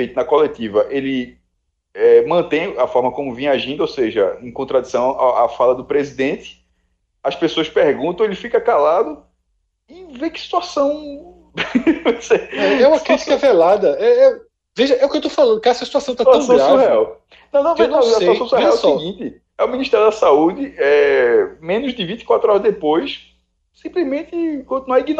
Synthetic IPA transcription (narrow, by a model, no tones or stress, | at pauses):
fejt̪ʊnɐkolet̪ivɐʔelɪ | ɛmɐ̃t̪ẽj̃ɐfɔɾmɐkõmʊvẽaʒĩnd̪ʊowseʒɐẽkõt̪ɾad̪isɐ̃w̃a̰afalɐd̪ʊpɾezid̪ẽt̪ɪ̥ | ɐspesoɐspeɾɡũt̪ɐ̃w̃elɪfikɐkalad̪ʊ | ɪvekɪ̥si̥t̪uasɐ̃w̃ | voseɛɛũmɐkɾit̪i̥kɐvelad̪ɐɛɛ | veʒɐɛʊkewt̪̬ofalɐ̃nd̪ʊkaɛsɐsit̪uasɐ̃w̃t̪aasaẽw̃hɛaw | nɐ̃w̃nɐ̃w̃ẽnɐ̃aseuaõw̃sẽiɛawɛsɔsiɡĩt̪ɪ | ɛʊmĩniʃt̪ɛɾjʊd̪ɐsaud̪ɪɛmẽnʊzd̪ɪvĩt̪ɪ̥kwat̪ɾʊɔɾɐzd̪epojs | sĩplizmẽt̪ɪkõt̪inuaɾiɡin